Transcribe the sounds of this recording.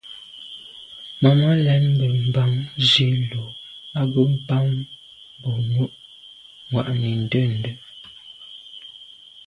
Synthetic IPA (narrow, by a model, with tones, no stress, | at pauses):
ma˨ma˦lɛ˨˦nm˦bə˨m̩˨ba˦ŋzi˦lo˨a˦ɡə˦m̩˦˨ba˦ŋ˦ | bɔ˨nu˦ʔ | ŋwa̰˨ʔmi˨n̩˨də˦˨n̩˨də˦